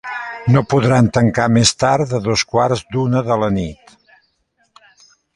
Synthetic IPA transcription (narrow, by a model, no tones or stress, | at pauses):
nopuðɾant̪əŋkamest̪aɾðəðoskwaɾzd̪unəðələnit̪